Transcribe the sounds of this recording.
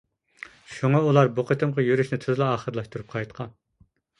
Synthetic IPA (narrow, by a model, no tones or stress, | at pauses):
ʃuŋɑulˠɑɾbuqʰət̪ʰɨmʁɑjyɾyʃnɪt̪ʰyzlˠɑɑːχəɾlˠɑʃt̪uɾup̚qʰɑjt̪qʰɑn